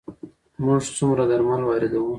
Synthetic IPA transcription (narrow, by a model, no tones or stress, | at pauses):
mʊʐsumɾad̪aɾmɑlwɑɾɪd̪awũ